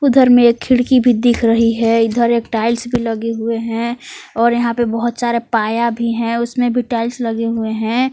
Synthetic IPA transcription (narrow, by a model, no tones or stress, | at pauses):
ʊd̪ʱəɾmẽeːkʰːɪɽkibʱid̪ɪkʰɾɐɦiɦɛʊd̪ʱəɾeːkʈaːɪlsbʱilɐɡeɦʊeɦɛ̃ɔːɾjɐɦãpebɐɦʊt̪saːɾepaːjabʱiɦɛ̃ʊsmẽbʱiʈaːɪlslɐɡeɦʊeɦɛ̃ː